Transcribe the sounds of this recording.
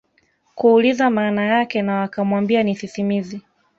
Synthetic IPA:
kuːlizamaːnajakɛnawakamwambianiθiθimizi

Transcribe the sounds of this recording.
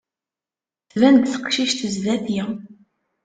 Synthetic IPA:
θvænt̪θə̥qʃiʃt̪əzðæθjɪ

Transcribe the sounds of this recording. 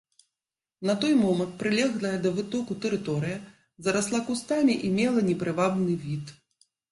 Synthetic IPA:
nɐt̪ɔjmɔmɐnt̪̚pɾɨlʲɛɣlˠɐjɐd̪ɐvɨt̪ɔkut̪ɛɾɨt̪ɔɾɨjɐ | zɐɾaslˠakust̪amʲiʔimʲɛlˠɐnʲɛpɾɨvabnɨvʲit̪

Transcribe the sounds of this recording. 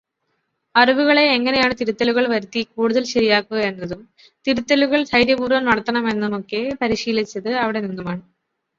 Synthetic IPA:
ɐriʋuɣɐɭe̞ːŋːɐne̞jaːɳɨt̪iɾut̪ːɐluɣɐɭʋɐɾut̪ːikuːɽuðɐlɕɐɾijaːkːuɣɐe̞nːɐðum | t̪iɾut̪ːɐluɣɐɭsɐjɾjɐbuːrʋɐmnɐɽɐt̪ːɐɳɐme̞nːumo̞kːe̞pɐɾiɕiːlit͡ɕːɐðɨɐʋiɽe̞ninːumaːɳɨ

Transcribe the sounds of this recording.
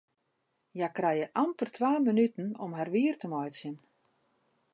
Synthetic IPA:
jakrɛjəʔampərtʰʋaːmənytn̩ɔmɦarʋiːərtəmɔjtsjən

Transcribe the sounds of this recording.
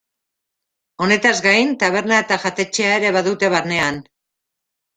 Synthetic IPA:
o̞ne̞t̪azɡajnt̪aβ̞e̞ɾnae̞t̪aʝat̪e̞t͡ʃe̞ae̞ɾe̞βaðut̪e̞βaɾne̞an

